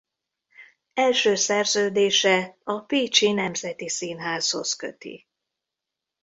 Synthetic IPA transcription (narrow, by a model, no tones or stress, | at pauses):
ɛlʃøːsɛrzøːd̪eːʃɛɒpiːt͡ʃinɛmzɛt̪isinɦaːzho̞skø̰t̪ḭ